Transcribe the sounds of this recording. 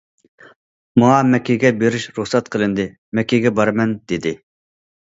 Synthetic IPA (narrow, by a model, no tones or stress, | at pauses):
mɑŋɑmɛkʲʰeɡʲɛbeɾɪʃɾuχsɛt̪̚qʰəlˠɨnd̪ɨ | mɛkʲʰːeɡʲɛbɑɾmɛnd̪̥ɪd̪ɪ